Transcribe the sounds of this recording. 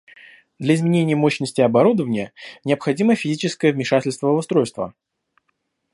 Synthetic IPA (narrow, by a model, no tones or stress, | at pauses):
d̪lʲəɪzmʲɪnʲenʲɪjəmoɕnəsʲtʲɪɐbɐɾud̪əvənʲɪjənʲɪɐpxɐdʲiməfʲɪzʲit͡ɕɪskəjəvmʲɪʂatʲɪlʲst̪vəəʊst̪ɾo̞jst̪və̰